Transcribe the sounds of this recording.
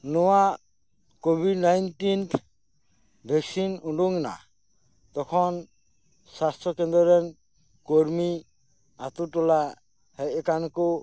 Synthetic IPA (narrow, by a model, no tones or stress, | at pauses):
nɔwaʔ | kobʱiɖnajnʈinʰ | bʱɛksinuɳɖuŋna̰ | t̪ɔkʰɔn | sast̪ʰɾɔkɛnd̪ɾɔɾɛn | kɔɾmi | at̪uʈɔla | hɛjkanku